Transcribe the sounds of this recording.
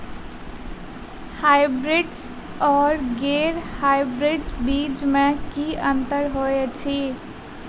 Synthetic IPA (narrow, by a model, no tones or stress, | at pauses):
haːɪbɾɪɖs | ɔːɾɡeːɾhaːɪbɾeɖsbiːd͡ʒmẽkiə̃nt̪əɾɦoet͡ʃʰi